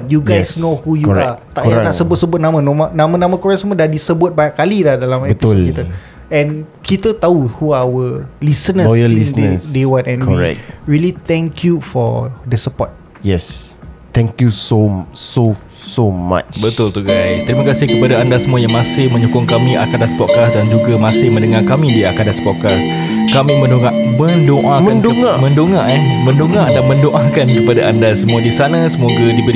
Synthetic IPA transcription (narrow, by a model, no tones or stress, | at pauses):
juɡaɛjsnohujuɔɹɛ̰at̪aʔkaɾaãnaʔsəbʊt̪̚səbʊt̪̚nãmãnomanãmãnãmãkuɾaŋsəmuadadisəbʊt̪̚bajaʔkalilahdalamɛbəptisʊodl̚kiə | ɛ̃nkit̪ət̪auhuawəlisənə̃ɔjəlisdnəsdewanɛ̃nkɔɹɛ̰k̚ɹilit̪ɛ̃ŋkʰjufɔ̰dəsəpɔ̰t̪̚ | jɛst̪ɛ̃ŋkjusoso | soma̰t͡ʃbət̪ʊlt̪uɡajst̪əɾimakasɪhkəpadaandasəmũajaŋmasɪhmə̃ɲokʊŋkamĩʔa̰kadaspɔt̚kasdand͡ʒuɡamasɪhmə̃ndəŋakamĩdiakadaspɔt̚kas | kamĩmə̃ndoŋa | mə̃ndoʔaməandoŋamə̃ndoŋaɛmə̃ndoŋadamə̃ndoʔakankəpadaʔandasəmũadisanãsəmoɡadibəl